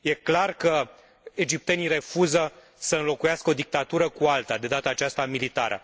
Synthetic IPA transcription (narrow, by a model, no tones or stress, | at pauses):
je̞klarkə | e̞d͡ʒip̚t̪e̞nire̞fuzə | səɨnlo̞kujaskəo̞d̪ik̚t̪at̪uɾəkualt̪ad̪e̞d̪at̪əaːt͡ʃast̪amilit̪aɾə̰